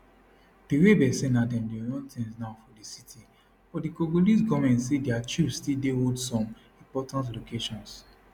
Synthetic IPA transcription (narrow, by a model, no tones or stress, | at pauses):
b̥iɾebɛsẽnadɛ̃mdijɔ̃ntʰĩnsnafɔdisitʰi | fɔdikoɡolis̬ɡɔmɛ̃ntsediat͡ʃubstidewodsɔ̃m | ĩmpɔtãntlokeʃɔ̃ns